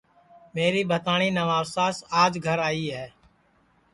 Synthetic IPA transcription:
meːɾiːbʱət̪aːɳ̃iːnəʋaːʋsaːsaːd͡ʒɡʱəɾaːiːɦɛː

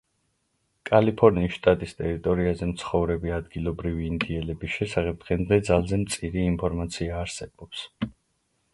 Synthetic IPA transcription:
kʼalipʰɔɾniːsʃt̪ʼat̪ʼist̪ʼɛɾit̪ʼɔɾiazɛmt̪sʰχɔvɾɛbiad̪ɡilˠɔbɾiviːnd̪iɛlɛbisʃɛsaχɛp̚d̪̥ʁɛnd̪dɛd̪zalˠzɛmt̪sʼiɾiːmpʰɔɾmat̪sʰiaːɾsɛb̥ɔps

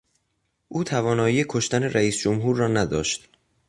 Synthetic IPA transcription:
ʔuːt̪ʰævɒːnɒːjiːekʰoʃt̪æne̞ɾæiːsd͡ʒomɦuːɾːɒːnæd̪ɒ̰ːʃt̪

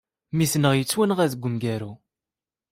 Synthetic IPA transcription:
misnəʁjət͡sːwænʁæðəɡʷːəmɡæɾu

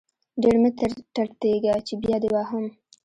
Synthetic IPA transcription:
ɖeɽmɪt̪əɾʈaɽt̪eɡat͡ʃebjɑd̪ewɑɦam

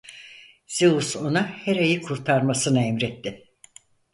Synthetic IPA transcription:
z̥euso̞nahɛɾejikʰuɾt̪ʰaɾmasɯnaɛmɾɛt̪ːɪ

